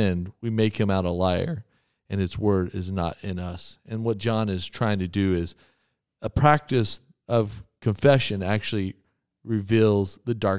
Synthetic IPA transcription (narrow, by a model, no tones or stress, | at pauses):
ɪ̃nwimeɪkhɨ̃maʊɾəlaɪə̰˞ | ɨ̃nɨtswɜ˞ɾɪznə̰ɾɪ̃nʌsɨ̃nwʌt̚d̥ʒ̥ɑ̃nɨz̥tʰɹ̥aɪɪ̃ŋtʰɨdɨɪz | əpʰɹ̥æk̚tɨs | ʔʌv̥kʰɨ̃ɱfɛʃɨ̃næk̚t͡ʃʉl̩ˠi | ɹɨvilˠzðɨdɑɹ